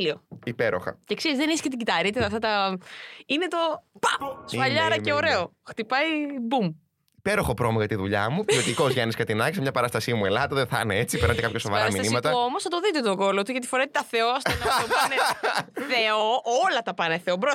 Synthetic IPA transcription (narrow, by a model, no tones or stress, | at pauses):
lioipeɾo̰xɐ̰cekseɾizðeniscet̪iɟit̪ɐɾit̪it̪ɐft̪ɐt̪ɐ | ine̞t̪o̞pɐsɐʎɐɾɐce̞o̞ɾe̞o̞ | xt̪ipɐibum | ipeɾoxɐpɾomoʝɐt̪iðuʎɐ̰muceot̪ikozʝɐniskɐt̪inɐkisemɲɐpɐɾɐst̪ɐsimue̞lɐt̪ɐðeθɐ̰neet͡sipeɾnɐt̪ekɐp̚çɐsovɐ̰ɾɾɐɐmisɐnimɐt̪ɐoomosθɐt̪o̞ðit̪et̪oɡo̞lot̪uʝɐt̪i̥foɾet̪it̪ɐθe̞oɐstonɐoneθeoolɐt̪ɐpɐneθe̞obɾo